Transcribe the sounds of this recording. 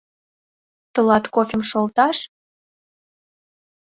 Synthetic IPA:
t̪ə̆lɑt̪kofʲemʃolt̪ɑʃ

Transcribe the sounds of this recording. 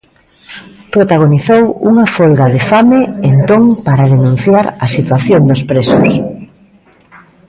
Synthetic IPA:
pɾot̪aɣ̞oniθowuŋafolɣaðefameent̪oŋpaɾaðenũn̟θjaɾɐsit̪waθjoŋd̪ospɾesʊ̰s

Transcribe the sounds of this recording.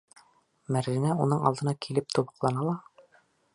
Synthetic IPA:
mæɾzɘnæunɤɴɑ̰lˠd̪ɤ̆nɑkʰilɘp̚t̪ubɤ̆qlˠɑnɑlˠɑ

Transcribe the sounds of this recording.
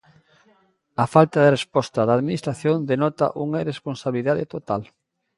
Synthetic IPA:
ɐfalt̪aðerespɔst̪ɐðaːðminist̪ɾaθjond̪enɔt̪a̰ʔuŋaresponsaβiliðaðet̪ot̪al

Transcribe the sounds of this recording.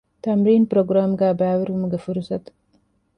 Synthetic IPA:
t̪ɐmɾiːnpɾoːɡɾaːmɡaːbaːwɪɾhumuɡɐfuɾsɐt̪

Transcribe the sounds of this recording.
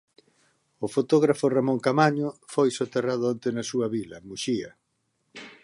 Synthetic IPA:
ʊfot̪oɣɾafʊramoŋkamaɲʊfojsot̪erað̞ʊont̪enɐsuɐβilɐmuʃiɐ

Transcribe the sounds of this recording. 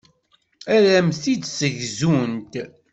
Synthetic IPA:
æɾæmθid̪səʝzunt̪

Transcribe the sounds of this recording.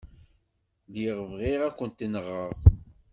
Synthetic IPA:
ðjəʁəvʁiʁækʷːənt̪inəʁːəʁ

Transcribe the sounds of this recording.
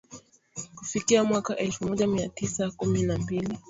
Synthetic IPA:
kufikiamwakaʔɛlfumɔʄamiatisakuminambili

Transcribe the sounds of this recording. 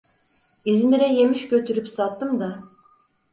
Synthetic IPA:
izmiɾɛje̞miʃcø̞t̪ʰyɾypsat̪ːɯmd̪a

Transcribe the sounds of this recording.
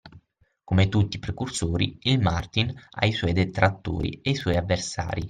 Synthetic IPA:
komet̪ut̪ːipɾekursoːɾḭilmart̪ina̰isɔjd̪et̪ɾat̪ːo̰ːɾḭeisɔːjavːersa̰ːɾi

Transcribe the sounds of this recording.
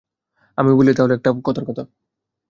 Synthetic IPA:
amibolit̪aɦoleɛk̚ʈakɔt̪ʰaɾkɔt̪ʰa

